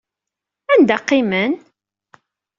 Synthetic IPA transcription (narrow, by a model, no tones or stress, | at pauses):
ænd̪æqːimən